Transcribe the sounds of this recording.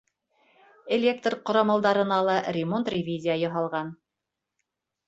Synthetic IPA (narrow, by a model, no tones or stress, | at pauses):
elʲe̞k̚t̪rqŏɾɑmɑlˠd̪ɑɾɤ̆nɑlˠɑrʲɪmo̞nt̪rʲɪvʲizʲijajŏɦɑlˠʁɑn